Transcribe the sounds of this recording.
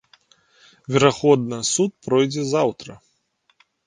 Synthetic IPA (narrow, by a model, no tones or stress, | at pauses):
vʲɛɾaxɔd̪̚nɐsut̪̚pɾɔjd͡zʲɛzawt̪ɾɐ